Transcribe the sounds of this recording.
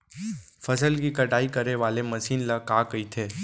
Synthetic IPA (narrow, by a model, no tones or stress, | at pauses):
fɐsəlkikɐʈaːikɐɾeʋaːlemɐsiːnlɐkaːkɐit̪ʰeː